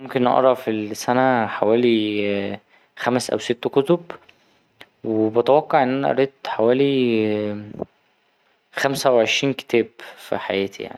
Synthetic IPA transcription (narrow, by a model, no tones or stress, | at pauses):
momkenʔɑ̰ʔɾˤɑfilsænæħawæːli | xæmsʔæ̰wset̪ːkot̪ob | webæt̪æwɑqːɑʕʔenːʔænæʔɑ̰ɾˤiːt̪ːħawæːli | xæmsæweʕeʃɾiːnke̥t̪ʰæːbfḭħajæːt̪ʰḭja̰ʕnii